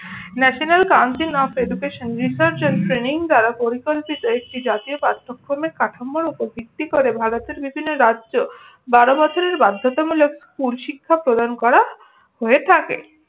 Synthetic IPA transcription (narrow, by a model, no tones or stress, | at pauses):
nɛʃonelkawnsinɔpʰeɖukeʃonɾisaɾt͡ɕenspɾiniŋd̪aɾapoɾikolpit̪oek̚ʈid͡ʑat̪iopɾat̪ʰːokfoɾmekaʈʰamːoɾupobʱik̚t̪ikoɾebʱaɾot̪eɾbibʱinːoɾadd͡ʑo | baɾobɔt͡ɕʰoɾeɾbad̪ʱːot̪amulokskulʃikʰːapɾod̪ankɔɾa | hoet̪ʰakḛ